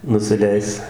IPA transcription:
nʊsʲɪˈlʲɛɪs

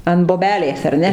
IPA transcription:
ɐn boːˈbʲæːlʲeːs ɐr ˈnʲɛ

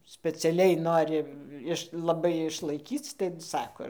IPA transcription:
sʲpʲɛt͡sʲɛˈlʲɛɪ ˈnoːrʲɪ ˈɪʃ lˠɐˈbɐɪ ɪʃlˠɐɪˈkʲiːt͡s tɐɪ ˈsɑːkoː

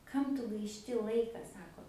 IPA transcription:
ˈkɐm tʊ ɡɐɪʃʲˈtʲɪ ˈlˠɐɪkɐ ˈsɑːkoː

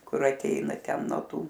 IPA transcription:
ˈkʊr ɐˈtʲɛɪnɐ ˈtʲɛn noː ˈtuː

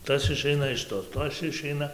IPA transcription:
ˈtɐs ɪˈʃʲɛɪnɐ ɪʃ ˈtoː ˈtɐs ɪˈʃʲɛɪnɐ

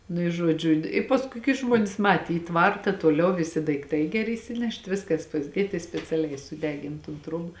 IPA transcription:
nʊ ɪ ˈʒuɔd͡ʒʲʊ ɪ ˈpɑːskʊɪ kɐɪ ˈʒmuɔnʲeːs ˈmɑːtʲeː iː ˈtʋɐrtɐ toːˈlʲɛʊ ʋʲɪˈsʲɪ dɐɪkˈtɐɪ ɡʲɛˈrʲɪ ɪsʲɪˈnʲɛʃt ˈʋʲɪskɐs pɐzʲˈdʲeːt ɪ sʲpʲɛt͡sʲɛˈlʲɛɪ sʊˈdʲæːɡʲɪn tʊn ˈtruɔbɐ

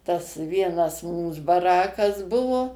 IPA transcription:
tɐs ˈʋʲiɛnɐs ˈmuːs bɐˈrɑːkɐs ˈbʊʋoː

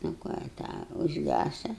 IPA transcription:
nʊ ˈkɑː ɪ ˈtɑː ʊʒʲˈɡʲæsɐ

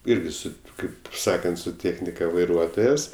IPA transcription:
ˈɪrʲɡʲɪ ˈsʊ ˈkɐɪp ˈsɑːkɐnt sʊ ˈtʲeːxʲnʲɪkɐ ʋɐɪˈruɔtoːjɛs

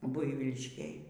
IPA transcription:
ˈbʊɪʋʲiːlʲɪʃʲkʲeːj

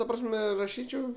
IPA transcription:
tɐ ˈprɑːsʲmʲɛ rɐˈʃʲiːt͡ʃʲɛʊ

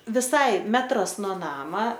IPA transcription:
ʋʲɪˈsɐɪ ˈmʲæːtrɐs noː ˈnɑːmɐ

